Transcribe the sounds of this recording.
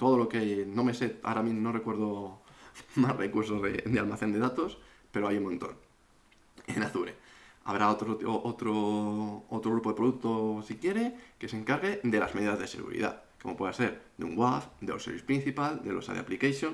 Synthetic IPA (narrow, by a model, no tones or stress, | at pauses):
t̪o̞ðo̞lo̞kenome̞sea̰ɾaminorekwe̞ɾðo | masrekuɾsozðḛd̪ealmaθe̞nd̪e̞ðat̪o̞spe̞ɾoajumont̪o̞̰n | enaθuɾea̰β̞ɾaot̪ɾot̪oʔot̪ɾo | ot̪ɾoɣɾupoe̞pɾoðuk̚t̪osikje̞ɾeke̞se̞ŋkaɾɣe̞d̪e̞lazmeðiðazðe̞se̞̰ɣṵɾḭða̰θkomopwe̞ðase̞ɾd̪eṵŋɡwafd̪eosḛβispɾĩn̟θipald̪e̞losa̰ðea̰plikajsjon